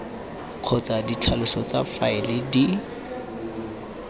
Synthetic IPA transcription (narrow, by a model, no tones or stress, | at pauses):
q͡χʰɔt͡sadit͡ɬʰalʊsɔt͡safaɪlɪdi